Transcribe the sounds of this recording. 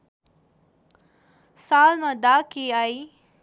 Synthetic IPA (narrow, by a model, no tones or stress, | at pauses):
saːlmãd̪aːkiaːiː